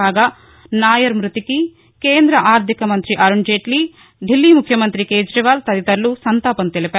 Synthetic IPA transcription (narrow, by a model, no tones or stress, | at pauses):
aːɡaː | naːjɐɾmɾut̪iki | keːnd̪ɾɐʔaːɾd̪ʱikɐmɐnt̪ɾiʔɐɾuɳd͡ʒeːʈliː | ɖilːiːmukʰjɐmɐnt̪ɾikeːd͡ʒɾɐʋaːlt̪ɐd̪it̪ɐɾlusɐnt̪aːpɐnt̪elipaː